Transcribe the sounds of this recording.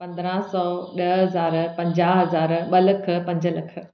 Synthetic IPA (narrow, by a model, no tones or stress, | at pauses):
pɐ̃nd̪ɾãsɔːɗɐɦɦɐzaːɾpɐ̃ɲd͡ʑaːɦɦɐzaːɾɓɐlɐkʰə̆pɐ̃ɲd͡ʑəlɐkʰə̆